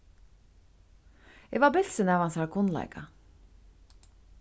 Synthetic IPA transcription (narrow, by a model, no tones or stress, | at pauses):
ɛvaɾbɪl̥sɪnɛvansaakʰʊnla̰jka